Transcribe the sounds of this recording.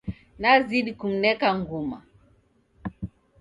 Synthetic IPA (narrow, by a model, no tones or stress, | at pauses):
naziɗikum̩nɛkaŋɡuma̰